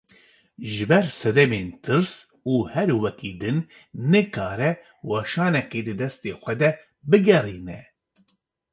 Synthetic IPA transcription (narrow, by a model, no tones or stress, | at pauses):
ʒɨbɛɾsɛd̪ɛmeːnt̪ʰɨɾs | uːhɛɾwɛkiːd̪ɨnː | ɨkʰaːɾɛ | wɑːʃɑːnɛkeːd̪ɨd̪ɛst̪eːxʷɛd̪ɛ | bɨɡɛriːnɛ